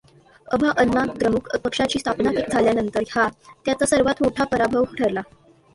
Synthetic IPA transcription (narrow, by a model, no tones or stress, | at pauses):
əbʱaʔənːakd̪ɾəmukəpəkʂat͡ɕiːst̪ʰapnak̪ek̚d͡zʱaljanənt̪əɾɦat̪jat͡sasəɾʋat̪moʈʰapəɾabʱəʋɦuʈʰəɾla